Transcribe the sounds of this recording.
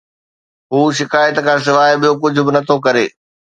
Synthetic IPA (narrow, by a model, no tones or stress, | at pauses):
ɦuːʃɪkaːjət̪kʰãːs̬ɪʋaːɪɓijok̬ʊd͡ʑʱʊbɪnɐt̪ʰokɐɾeː